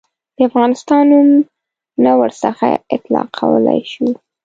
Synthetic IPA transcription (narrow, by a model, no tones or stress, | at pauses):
d̪̥əafɣɑnɪst̪ɑnʊm | nawəɾsəxa̰ɪt̪lɑqʰːawəla̰jʃu